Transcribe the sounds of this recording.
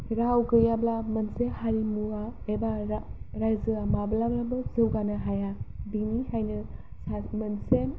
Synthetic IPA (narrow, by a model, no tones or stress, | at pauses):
ɾawɡɯjablamɐnsehaɾimuaebaɾaɾajzɯamablablabɯzɯwɡanɯɦajabinihajnɯ | samɐnsen